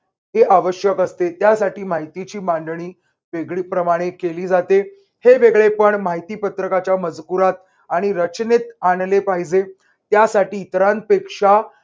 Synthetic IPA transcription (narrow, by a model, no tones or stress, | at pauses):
ɦeʔaʋəɕjəkəst̪et̪jasaʈiːmaɦit̪it͡ɕiːmaɳɖɳ̃iː | ʋeɡɭiːpɾəmaɽ̃ekeliːd͡zat̪e | heʋeɡɭepəɳmaɦit̪iːpət̪ɾəkat͡ɕjaməd͡zkuɾat̪̚ | aɽ̃iɾət͡ɕnet̪aɳlepaɦid͡ze | t̪jasaʈiːt̪əɾan̚pekʂa